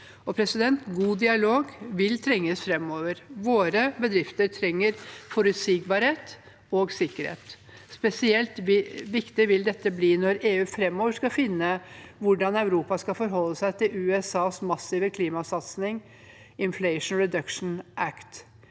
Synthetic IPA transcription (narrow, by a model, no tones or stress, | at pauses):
ɔpʰɾɛsɪd̪ɛnt̪ɡuːd̪ɪɑloːɡʋɪlt̪ʰɾɛŋːəsfɾɛmːoːʋəɾʋoːɾəbəd̪ɾɪft̪əɾt̪ʰɾɛŋːəɾfɔɾʉt̪sɪɡbɑɾheːt̪ | oːɡsɪkːəɾhḛːt̪ | spɛsɪɛlt̪ʋɪkt̪ɪʋɪld̪ɛt̪ːəbliːnɔɾeːʉːfɾɛmːoːʋəʂkɑfɪnːəʋʊɖɑnɑʉɾuːpɑskɑfɔɾɦɔlːəsæɪt̪ʰɪlʉːɛsɑːsmɑsiːʋəkʰliːmɑsɑt̪snɪŋ | ɪnflɛɪʂnɹɛd̪œkʂn̩ʔækt̪